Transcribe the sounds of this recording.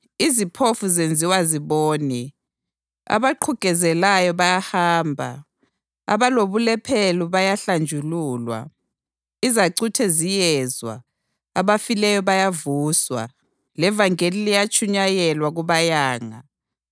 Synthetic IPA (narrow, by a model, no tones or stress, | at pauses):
izipʰofuzend͡zʱiwaziβoːni | a̰βaǃʰuɡ̥ʱɛzɛlajɔβajahaːmbʱa̰ | a̰βaloβulɛpʰɛluβajaɬand͡ʒʱuluːlwa̰ | izaǀutʰɛzijɛzwa̰ | aβafilɛjɔβajavuːswa̰ | lɛvaŋenilijat͡ʃʰʼuɲajɛlwaɣuβajaːŋa̰